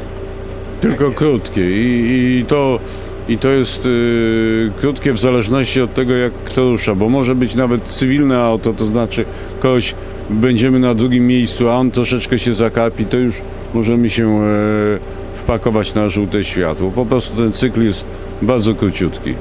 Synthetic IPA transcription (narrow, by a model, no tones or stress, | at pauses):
t̪ɘlkɔkɾut̪kʲɛit̪ɔ | it̪ɔjɛst̪ | kɾut̪kʲɛvzalɛʐnɔɕt͡ɕiɔt̪ːɛɡɔjakːt̪ɔɾuʂabɔmɔʐɛbɘt͡ɕnavɛt̪t̪sɨvʲilnɛawt̪ɔt̪ɔznat͡ʂɘ | kɔɡɔɕ | bɛɲd͡ʑɛmɘnad̪ɾuɡʲimːjejst̪suaɔnt̪ɾɔʂɛt͡ʂkɛɕɛzakapʲit̪ɔjuʂ | mɔʐɛmɘɕɛ | fpakɔvat͡ɕnaʐut̪ɛɕfʲja̰t̪wɔpɔpɾɔst̪ut̪ɛnt̪sɘkljɛst̪̚ | baɾd̪zɔkɾut͡ɕut̪kʲḭ